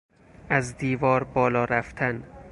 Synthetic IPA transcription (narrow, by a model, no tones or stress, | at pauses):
ʔæzd̪iːvɒːɾbɒːlɒːɾæft̪ʰæn